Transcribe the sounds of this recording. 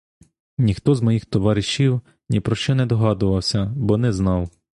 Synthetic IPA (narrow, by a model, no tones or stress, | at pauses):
nʲixt̪ɔzmɔjixt̪ɔʋɑɾʲɪʃiw | nʲipɾɔʃt͡ʃɔnɛd̪ɔɦɑd̪ʊʋɐwsʲɐbɔnɛznɑw